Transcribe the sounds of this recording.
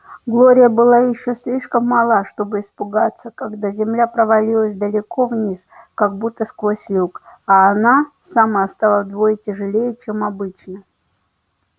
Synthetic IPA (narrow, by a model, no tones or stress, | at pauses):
ɡlˠoɾʲɪjəbɨlˠajɪɕːosʲlʲiʂkəmːɐlˠaʂt̪o̞bɨɪspʊɡat̪sːəkaɡd̪azʲɪmlʲapɾəvɐlʲilˠəsʲd̪əlʲɪko̞vnʲiskaɡ̚but̪ːəskvosʲlʲukaːna | saməɐst̪alˠəd̪vojɪtʲɪʐɨlʲejɪt͡ɕemɐbɨt͡ɕnə